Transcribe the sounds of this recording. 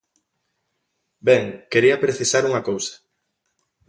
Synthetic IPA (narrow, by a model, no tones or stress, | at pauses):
bɛŋkeɾiɐpɾeθisaɾuŋɐkowsḁ